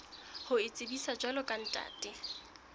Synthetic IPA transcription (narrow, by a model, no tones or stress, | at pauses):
hʊɪt͡sʼɪbisad͡ʒwalɔkʼan̩tʼa̰ːtʼɪ